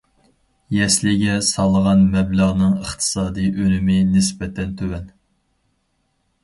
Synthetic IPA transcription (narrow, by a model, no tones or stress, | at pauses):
jɛslɪɡʲɛsɑlˠːəʁɑnmɛbləʁnɨŋəχt̪ʰɨ̥sɑːd̪ijʔølɪmɪnɪsbɛt̪ʰɛnt̪ʰøwɛn